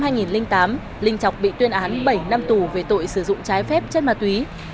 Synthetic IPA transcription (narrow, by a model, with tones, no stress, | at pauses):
haː˧jŋi˨˩nlï˧ŋt̪aː˨˦m | lï˧ŋ̟t͡ɕɔ˨˩wk͡p̚ɓḭ˧˨t̪wi˧ənʔaː˨˦nɓə˧˩jna˧mt̪u˨˩ve˨˩t̪o̰˧˨jsɨ˧˩zʊ̰˧˨ŋ͡mt͡ɕaː˨˦jfɛ˦˥p̚t͡ɕɛ˦˥t̚maː˨˩t̪̚wi˨˦